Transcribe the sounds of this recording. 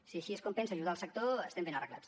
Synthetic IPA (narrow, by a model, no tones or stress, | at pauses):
siaʃieskompensaʒuðalˠsək̚t̪oəst̪ɛmbenɐrəɣla̰t͡s